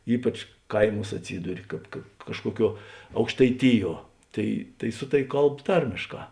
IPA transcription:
ˈiːpɐt͡ʃ ˈkɐɪˌmuːs ɐtʲˈsʲiːdʊrʲɪ ˈkɑːp kɐ ˈkɑːʃkuɔˌkʲuɔ ɐʊkʃtɐɪˈtʲɪˌjuɔ ˈtɐɪ tɐɪ ˈsʊ tɐˌʋʲɪ ˈkɐlˠp ˈtɐrʲmʲeːʃˌkɑː

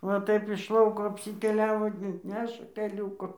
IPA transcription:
ʋɐ ˈtɐɪp ɪʃ ˈlˠɐʊkoː ɐpʲsʲɪtʲɛˈlʲæːʋoː ˈnʲæːʃɐ tʲɛˈlʲuːkʊ

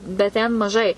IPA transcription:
bʲɛt ˈtʲɛn mɐˈʒɐɪ

